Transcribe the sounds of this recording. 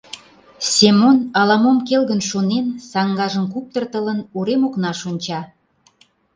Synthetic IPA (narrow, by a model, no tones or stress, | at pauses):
semonɑlɑmomkelɣənʃonensɑŋɡɑʒəmkup̚t̪ərt̪ələnuɾemoknɑʃonʲt͡ɕɑ